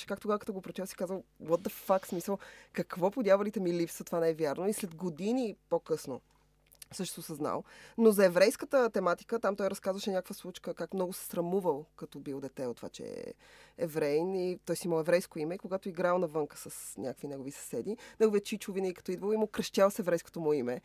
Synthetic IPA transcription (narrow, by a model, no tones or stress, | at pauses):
t͡ʃɛ̥kak̚t̪oɡavəkɐt̪ɔɡopɾot̪ʲɛlˠsi̥kazvəlˠwɔd̪əfaksmisəlˠkɐkvɔpod̪ʲjavɐlit̪ɛmilipsət̪ovanɛɛvʲjaɾnoislɛd̪ɡod̪inipokɤsno̰ | sɤʃt̪ɛst̪səzna̰lˠnozɐɛvɾɛjskət̪ət̪ɛmat̪i̥kət̪amt̪ɔjɾɐskazvəʃɛnʲakəkvəslˠut͡ʃkəkakmnɔɡʊsɛ̥sɾɐmuvəlˠkɐt̪ɔbilˠd̪ɛt̪ɛot̪ːova̰t͡ʃɛ̰ɛ̰ | ɛvɾɛjnit̪ɔjɛst̪iməlˠɛvɾɛjskoimɛikoɡat̪oiɡɾalˠnɐvɤŋkə̥sɐsnʲʔakəkvinɛɡovisɐ̥sɛd̪inɛɡovijət̪̚t͡ʃit͡ʃʊvinɛikɐ̥t̪ɔid̪vəlˠimʊkɾɐʃt̪ʲalˠsɛvɾɛjsko̥t̪omɔimɛ